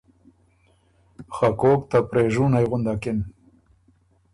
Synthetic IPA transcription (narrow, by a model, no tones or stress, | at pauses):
xakoːk̚t̪apɾeːʒunajɣʊnd̪akɪn